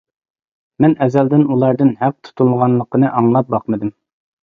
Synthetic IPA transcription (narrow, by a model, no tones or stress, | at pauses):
mɛnɛzɛld̪ɪnulˠɑɾd̪ɨnhæq̚t̪ʰu̥t̪ʰulˠʁɑnlˠəqənɨʔɑŋlˠɑp̚bɑqmɨd̪ɨm